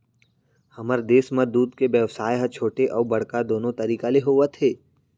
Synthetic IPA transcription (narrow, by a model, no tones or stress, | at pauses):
hɐməɾd̪eːsməd̪uːd̪kebjɛʋsaːjɦɐt͡ʃʰoːʈeʔɔːbɐɽ̤kad̪oːnõt̪ɐɾiːkaleɦoːʋət̪ʰeː